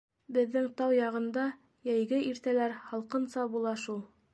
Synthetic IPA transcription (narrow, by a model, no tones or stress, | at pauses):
bɘ̆ðːɘŋt̪ɑwjɑʁɤ̆nd̪ɑ | jæjɡɘiɾt̪ælæɾhɑlˠqɤ̆nsɑbulˠɑʃulˠ